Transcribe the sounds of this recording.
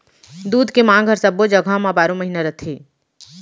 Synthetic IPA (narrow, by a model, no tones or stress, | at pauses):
d̪uːd̪ʱkemãːŋɡɦəɾsɐbod͡ʒəɡʱãmãbaːɾõməɦinaɾət̪ʰeː